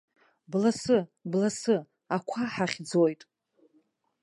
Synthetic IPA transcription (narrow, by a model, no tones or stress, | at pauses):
blasɨblasɨ | akʷʰaħaχʲd͡zojtʼ